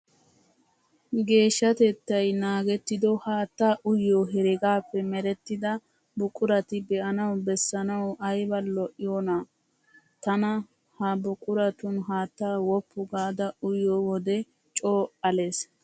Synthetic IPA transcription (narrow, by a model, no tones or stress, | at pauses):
ɡe̞ːʃːɐt̪ɛt̪ːɐjnaːɡɛt̪ːɪd̪ɔhaːt̪ːaːʔʊjːoːɦɛɾɛɡaːpːɛmɛɾɛt̪ːɪd̪ɐ | bʊkʼːʊɾɐt̪ɪbɛʔɐnɐwbɛsːɐnɐwɐjbɐlːɔʔɪjona | t̪ɐnɐ | hɐbʊkʼʊɾɐt̪ʊnɦaːt̪ːaːwɔpːʊɡaːd̪ɐʊjːoːwɔd̪ɛ | t͡ʃʼoːʔɐleːs